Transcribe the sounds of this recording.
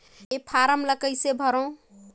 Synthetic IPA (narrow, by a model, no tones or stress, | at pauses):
epʰaɾəmləkəjsebʱəɾə̃